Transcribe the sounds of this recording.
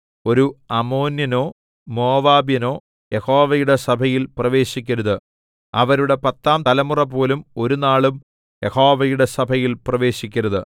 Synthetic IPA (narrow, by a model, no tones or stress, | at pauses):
o̞ɾuɐmo̞ːnjɐno̞ː | mo̞ːʋaːbjɐno̞ː | je̞ho̞ːʋɐjuɽe̞sɐbʱɐjilprɐʋe̞ːɕikʲːɐɾɐðɨ | ɐʋɐɾuɽe̞pɐt̪ːaːmt̪ɐlɐmurɐp̬ːo̞ːlumo̞ɾunaːɭum | je̞ho̞ːʋɐjuɽe̞sɐbʱɐjilprɐʋe̞ːɕikʲːɐɾɐðɨ